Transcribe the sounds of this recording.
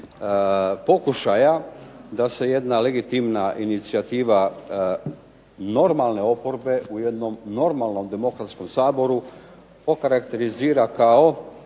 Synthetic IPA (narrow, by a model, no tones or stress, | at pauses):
po̞kuʃajad̪ase̞je̞d̪nale̞ɡit̪imnaʔinit̪siat̪iːʋa | no̞ɾmalˠne̞o̞po̞ɾbe̞ʔuje̞d̪no̞mno̞ɾmalˠno̞md̪e̞mo̞kɾat̪sko̞msaːbo̞ɾu | okaɾakt̪e̞ɾiziːɾakao